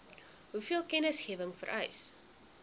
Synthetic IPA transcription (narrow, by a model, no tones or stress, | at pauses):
ɦufiəlˠkɛnəsχiəvəŋfə̰ɾʔœ̰ɥs